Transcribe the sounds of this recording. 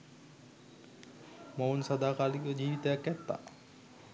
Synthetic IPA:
mounsad̪aːkaːlikəəd͡ʑiːʋit̪əjakːæt̪ːa̰

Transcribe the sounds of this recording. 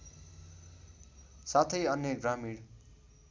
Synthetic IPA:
sat̪ʰʌjʌnjʌɡramiɽ

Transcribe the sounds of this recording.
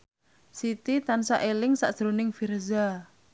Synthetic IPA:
sit̪it̪ansaʔelɪŋsaʔʒ̥ɾonɪŋfirza

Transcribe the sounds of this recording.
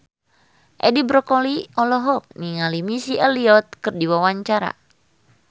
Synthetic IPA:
ʔɛdibɾɔkɔliɔlɔɦɔk̚niŋalimisiʔɛliɔt̪̚kɨrdiwawaɲt͡ʃaɾa̰

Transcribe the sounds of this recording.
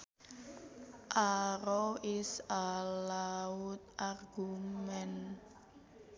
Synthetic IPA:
ʔaɾɔʔisalaut̪̚ʔarɡumɛn

